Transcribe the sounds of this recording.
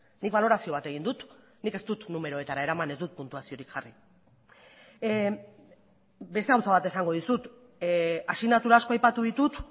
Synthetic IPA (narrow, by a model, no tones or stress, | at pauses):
nik̚βalo̞ɾasio̞β̞at̪e̞ɣind̪ut̪ | nike̞st̪ut̪nume̞ɾo̞et̪aɾae̞ɾamane̞zd̪ut̪̚punt̪uasio̞ɾikʝari | be̞st̪e̞ɣawt͡saβ̞at̪e̞saŋɡo̞ð̞isut̪ | asinat̪uɾaːsko̞ajpat̪uðit̪ut̪